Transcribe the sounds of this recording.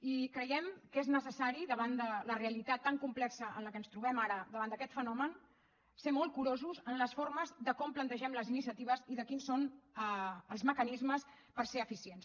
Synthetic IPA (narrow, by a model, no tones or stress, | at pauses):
ikɾəjɛmkeznəsəsaɾiðəβand̪ələreəlit̪at̪ːaŋkumplɛksəə̰nləkənst̪ɾuβɛmaɾəðəβand̪əkɛt̪fənɔmən | semɔlˠkuɾozuzənləsfoɾməzðəkɔmplənt̪əʒɛmləzinisiət̪iβ̞əziðəkinsonəəlˠzməkənizməs | pəɾseəfisiens